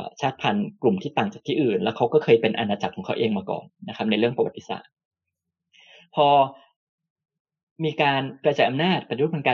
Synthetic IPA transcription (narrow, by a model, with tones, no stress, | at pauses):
t͡ɕʰaː˥˩t̪̚pʰa˧nklu˨˩mt̪ʰiː˥˩t̪aː˨˩ŋt͡ɕaː˨˩k̚t̪ʰiː˥˩ʔɯː˨˩nlɛː˦˥wkʰa˦˥wkɔː˥˩kʰɤː˧jpe˧nʔa˧naː˧t͡ɕa˨˩kʰːɔː˩˦ŋkʰa˦˥wʔeː˧ŋmaː˧kɔ̰ː˨˩nːa˦˥kʰa˦˥p̚na˧jɾɯ˥˩əŋpɾa˧wa˨˩t̪ːi˨˩sa̰ː˨˩t̪̚ | pʰɔː˧ | miː˧kaː˧nkɾa˧t͡ɕaː˨˩ʔa˧mnaː˥˩t̪̚pa˧˩u˦˥o˨˧˦kaː˧